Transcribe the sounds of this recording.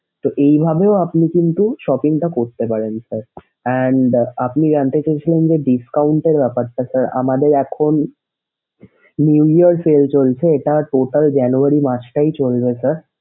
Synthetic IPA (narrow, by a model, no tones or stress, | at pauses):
t̪oʔejbʱabeoapnikint̪uʃɔpiŋʈakoɾt̪epaɾensɐɾ | ɛɳɖapnid͡ʑant̪et͡ɕajt͡ɕʰilend͡ʑeɖiskauɳʈeɾbɛpaɾt̪asaɾa̰mad̪eɾɛkʰon | niwiəɾselt͡ɕolt͡ɕʰeːʈaʈoʈəld͡ʑɛnuaɾimãt͡ɕʰʈait͡ɕolbesaɾ